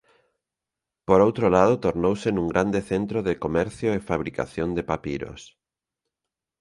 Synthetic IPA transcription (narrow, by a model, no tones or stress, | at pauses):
poɾowt̪ɾolaðʊt̪oɾnowsenũŋɡɾand̪eθent̪ɾoðɪkomɛɾθjoʊefaβ̞ɾika̰θjond̪epapiɾo̰s